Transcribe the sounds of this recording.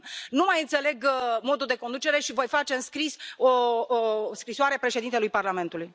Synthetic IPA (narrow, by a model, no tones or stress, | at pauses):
numajɨnt̪se̞le̞ɡmo̞d̪uld̪e̞ko̞nd̪ut͡ʃe̞ɾe̞ʃivo̞jfat͡ʃe̞ɨnskɾiso | skɾisoaɾe̞pɾe̞ʃed̪int̪elujparlame̞nt̪uluj